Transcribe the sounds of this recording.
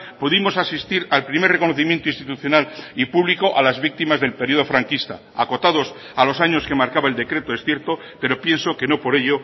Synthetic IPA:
puðimo̞sasist̪iɾalpɾimereko̞noθimje̞nt̪oĩnst̪it̪uθjo̞nalipuβliko̞ʔalazβik̚t̪imazðe̞lpe̞ɾio̞ð̞o̞fɾaŋkist̪a̰ | a̰ko̞t̪aðo̞s | alo̞saɲo̞ske̞maɾkaβaeld̪e̞kɾe̞t̪oe̞sθje̞ɾt̪o̞ | pe̞ɾo̞pje̞nso̞ke̞nopo̞ɾe̞ʎo

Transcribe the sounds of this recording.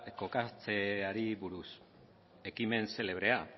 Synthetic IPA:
ko̞kat͡se̞aɾiβuɾus | e̞kime̞nse̞le̞β̞ɾe̞a

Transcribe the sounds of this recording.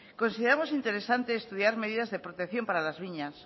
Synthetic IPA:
ko̞nsiðeɾamo̞sint̪e̞ɾesant̪eːst̪uðjaɾme̞ð̞iðazðe̞pɾot̪e̞kθjo̞mpaɾalazβiɲas

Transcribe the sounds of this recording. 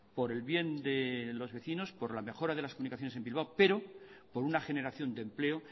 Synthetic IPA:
po̞ɾe̞lβje̞nd̪e̞lo̞zβe̞θino̞spo̞ɾlame̞xo̞ɾaðe̞laskounikaθjonese̞mbilβ̞awpe̞ɾo̞ | po̞ɾunaχe̞ne̞ɾaθjo̞nd̪e̞mple̞o

